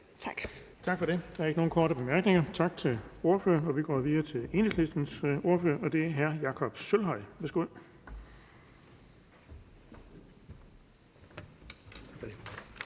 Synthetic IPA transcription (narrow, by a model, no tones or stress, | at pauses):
t͡sʰɑɡ̥t͡sʰɑ̈ɡ̥fɒ̽ɾe̝d̥ɑ̈ɐe̝ɡ̥əno̝ːn̩kʰɒːɾəb̥e̝mæɐɡ̥ne̝ŋɐt͡sʰɑ̈ɡ̥t͡sʰe̝lo̝ɐfø̰ɐɒ̽ʋiɡ̥ɒ̰ːʋiːɐt͡sʰe̝le̝ːneŋslisd̥n̩so̝ɐføɐʔɒ̽d̥e̝æɐɦæɐjɑ̈kʰɒ̽b̥sølɦɒɪ̰ʋæːsɡ̥o̝ð̰ˠ | fde